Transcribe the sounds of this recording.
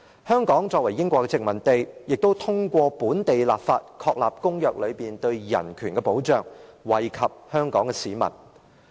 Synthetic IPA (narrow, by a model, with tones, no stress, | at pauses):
hœː˥ŋkɔː˨˥ŋt͡ʃɔː˧k̚wɐ˨˩jːɪ˥ŋkʷɔː˧kːɛ˧t͡sɪ˨k̚mɐ˨˩nt̪e˨jjɪ˨k̚t̪o˥wt̪ʰʊ˥ŋkʷɔː˧puː˨˥nt̪e˨jlaː˨p̚faː˧t̚kʰɔː˧k̚laː˨p̚kʊ˥ŋjœː˨k̚lɵ˨˧ɥpiː˨nt̪ɵ˧ɥjɐ̰˨˩nkʰyː˨˩nkɛ˧po˨˥wt͡ʃœː˨ŋwɐ˨˩jkʰɐ˨p̚hœː˥ŋkɔ̰ː˨˥ŋkɛ˧siː˨mɐ̰˨˩n